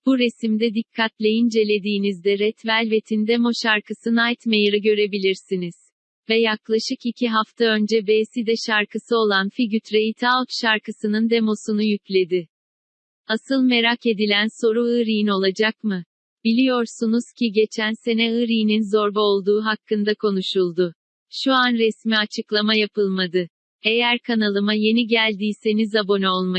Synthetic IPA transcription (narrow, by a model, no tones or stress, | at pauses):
b̥uɾe̞simd̪ɛd̪ikʰːat̪lʲejind͡ʒe̞lʲe̞d̪iːnizd̪ɛɾɛt̪vælʲve̞t̪ʰind̪ɛmo̞ʃaɾkʰɯsɯnajt̪mejiɾɯɟø̞ɾe̞bilʲiɾsiniz̥ | vɛjaklˠaʃɯkicʰiɦaft̪ʰaø̞nd͡ʒɛbeːsid̪ɛʃaɾkʰɯsɯo̞lˠanfiɟyt̪ɾeit̪ʰat̪ʃaɾkʰɯsɯnɯnd̪e̞mo̞sunujyclʲe̞d̪ɪ | asɯlˠme̞ɾake̞d̪ilʲænso̞ɾuɯɾijino̞lˠad͡ʒakmɯ | b̥ilʲijo̞ɾsunuz̥cʰiɟe̞t͡ʃʰænse̞nɛɯɾijninzo̞ɾbao̞lˠd̪uːɦakːɯnd̪akʰo̞nuʃulˠd̪ʊ | ʃuanɾɛsmiat͡ʃʰɯklˠamajapʰɯlˠmad̪ɯ | e̞jæɾkʰanalˠɯmaje̞niɟælʲd̪iːse̞nizabo̞noolˠma